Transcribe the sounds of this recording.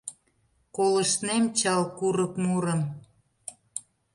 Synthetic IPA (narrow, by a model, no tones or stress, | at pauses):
kolə̆ʃnemt͡ɕɑlkuɾə̆kmuɾə̆m